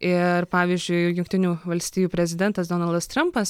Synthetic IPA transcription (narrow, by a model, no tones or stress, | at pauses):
ɪrpɑːʋʲiːzʲd͡ʒʲʊɪjʊŋk̚t̪ʲɪnʲuːʋɐlʲsʲt̪ʲiːjuːpʲɾʲɛzʲɪd̪ʲɛnt̪ɐsd̪oːnɐlˠd̪ɐst̪ɾɐmpɐs